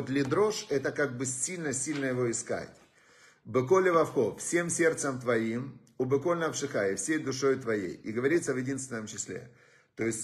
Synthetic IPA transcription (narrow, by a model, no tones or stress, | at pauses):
ot̪lʲɪd̪ɾo̞ʂɛt̪əkaɡ̚bɨsʲilʲnəsʲilʲnəjɪvo̞ɪska̰tʲ | bɨkolʲɪvɐfxofsʲe̞msʲe̞rt̪səmt̪vɐim | ʊbɨkolʲnɐfʂɨxaɪfsʲejd̪ʊʂo̞jɪt̪vɐjḛjɪɡəvɐɾʲit̪səvjɪdʲinst̪vʲɪnəmt͡ɕɪsʲlʲḛ | t̪o̞jɪsʲtʲ